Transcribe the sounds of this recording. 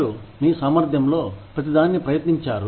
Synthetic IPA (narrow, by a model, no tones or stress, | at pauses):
umiːsaːmɐɾd̪ʱjɐmlo̞ːpɾɐt̪̬id̪aːnnipɾɐjɐt̪niɲt͡ʃaːɾu